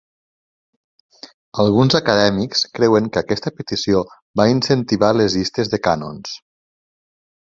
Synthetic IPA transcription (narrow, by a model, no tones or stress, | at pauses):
əlˠɣunzəkəðɛmikskɾɛwəŋkəkɛst̪əpət̪isio | bainsənt̪iβalezist̪əzðəkano̰ns